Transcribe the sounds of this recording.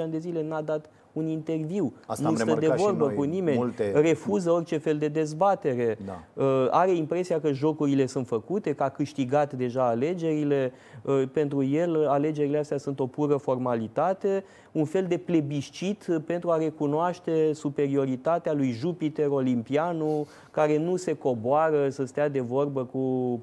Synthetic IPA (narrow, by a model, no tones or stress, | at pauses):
anʲd̪e̞zile̞nad̪at̪ | unint̪e̞rviwanusəd̪evo̞rbəkunime̞nre̞fuzəo̞rt͡ʃe̞fe̞ld̪e̞d̪e̞zbat̪e̞ɾe̞a̰əaɾe̞impɾe̞siakəʒo̞kuɾile̞sunt̪fəkut̪e̞kəakɨʃt̪iɡat̪d̪e̞ʒaːle̞d͡ʒe̞ɾile̞ | əpe̞nt̪ɾuje̞lale̞d͡ʒe̞ɾileast̪jasunt̪o̞puɾəfo̞rmalit̪at̪e̞ | unfe̞ld̪e̞ple̞biʃt͡ʃit̪pe̞nt̪ɾuaɾe̞kunoaʃt̪e̞supe̞ɾio̞ɾit̪at̪ealujʒupit̪e̞ɾo̞limpianu | kaɾe̞nuse̞ko̞boaɾəsəst̪ead̪e̞vo̞rbəku